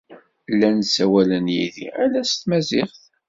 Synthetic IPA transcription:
lːænsæwælənjḭðḭælæst̪mæzɪχθ

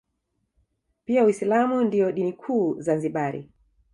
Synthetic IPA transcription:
piawislamundiɔɗinikʰuːzanziɓaɾḭ

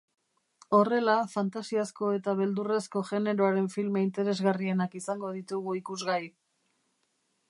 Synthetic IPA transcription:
o̞re̞lafant̪asiasko̞e̞t̪aβ̞e̞ld̪uresko̞ʝe̞ne̞ɾo̞aɾe̞ɱfilmeint̪e̞ɾe̞zɣarie̞nakisaŋɡo̞ð̞it̪uɣuikuzɣaj

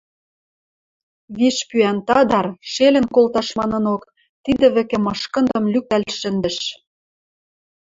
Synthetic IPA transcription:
βiʃpyænt̪ɑd̪ɑrʃelʲɘ̆nkolt̪ɑʃmɑnɤ̆nok | t̪id̪ɘ̆βɘ̆kĕmɤ̆ʃkɤ̆nd̪ɤ̆mlykælʲʃɘ̆nd̪ɘ̆ʃ

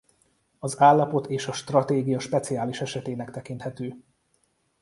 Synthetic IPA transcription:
ɒzaːlːɒpo̞t̪eːʃɒʃt̪rɒt̪eːɡijɒʃpɛt̪siaːliʃɛʃɛt̪eːnɛkt̪ɛkint̪hɛt̪øː

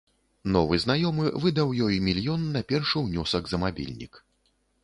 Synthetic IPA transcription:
nɔvɨznajɔmɨvɨd̪ɐwjɔjmʲilʲjɔnːɐpʲɛrʂɨwnʲɔsɐɡzɐmabʲḭlʲnʲḭk

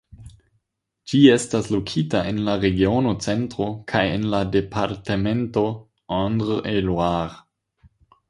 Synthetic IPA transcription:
d͡ʒiestaslokʰitaenlaɾeɡionot͡sentɾokʰajenladepʰaɾtemento | andʁelwaʁ

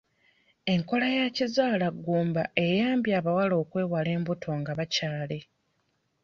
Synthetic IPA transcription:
e̞ŋko̞lajacizaːlaɡːuːmbaʔe̞jaːmbjaːβawalo̞ːkwe̞ːwale̞ːmbutʰo̞ŋɡaβacaːle̞

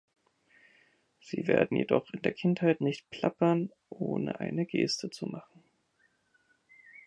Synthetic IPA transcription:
z̥iːveːɐdn̩jedɔχɪndeːɐkʰɪnthaɪtnɪçtpʰl̥apɐn | ʔoːnə̰ʔa̰ɪnəɡeːstʰət͡sumaχn̩

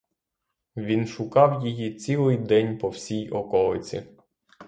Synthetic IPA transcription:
ʋʲinʃʊkɑwjijit͡sʲilˠɪjd̪ɛnʲpɔwsʲijɔkɔlˠɪt͡sʲḭ

